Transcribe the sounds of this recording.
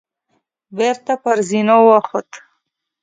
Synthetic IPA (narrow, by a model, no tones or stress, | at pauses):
beɾt̪apaɾzinowaxot̪